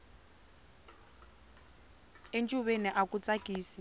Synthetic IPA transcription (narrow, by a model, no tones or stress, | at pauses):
ent͡ʃʼuβeniʔakut͡sʼakʼiːsi